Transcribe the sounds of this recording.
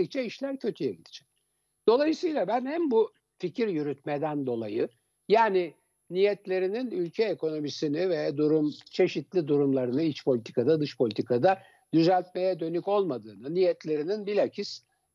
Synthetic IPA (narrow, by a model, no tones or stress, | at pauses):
ic̚t͡ʃɛiʃlʲæɾcʰø̞t̪ʰyjɛɟid̪ʲid͡ʒɛc | d̪̥o̞lˠajɯsɯjlˠabænhæmbu | ficiɾjyɾyt̪̚med̪ænd̪o̞lˠajɯ | jaːnɪ | nijɛt̪lʲe̞ɾininylʲcʰɛːko̞no̞misinɪvɛd̪uɾumt͡ʃʰe̞ʃit̪lʲid̪uɾumlˠaɾɯnɯit͡ʃpʰolʲit̪ʰi̥kʰad̪ad̪ɯʃpʰo̞lʲit̪ʰikʰad̪a | d̪yzælʲt̪mejɛd̪ø̞nyco̞lˠmad̪ɯːnɯnijɛt̪lʲe̞ɾininbilʲacʰis